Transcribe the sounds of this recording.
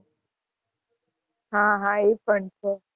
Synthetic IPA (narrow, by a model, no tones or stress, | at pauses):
ɦãɦãepəɳt͡ʃʰe